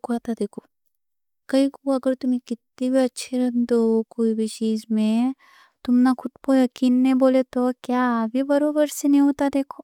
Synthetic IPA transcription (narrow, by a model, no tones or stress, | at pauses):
koat̪ad̪eːkʰo | kɐikoɐɡəɾt̪ʊmẽkɪt̪nibʱiɐtːʃʰeɾɐɦnd̪ɦokoːibʱit͡ʃiːzmẽ | t̪ʊmnakʰʊʈ̪kojɐkiːnːẽboːlet̪okjabʱibɐɾoːbəɾsenɦĩɦoːt̪ad̪eːkʰoː